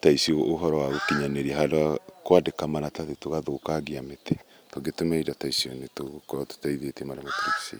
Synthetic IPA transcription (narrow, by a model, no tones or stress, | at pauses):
taisiɔoɦɔɾɔwaɣokiɲaneɾiɛɦadaakwadekamanataðetoɣaðokaɡiametɛ̥ | toɡetomɛidataisiɔnetoɣokɔɾɔto̥taiðetɛmaɾamatu̥kiki̥sḛ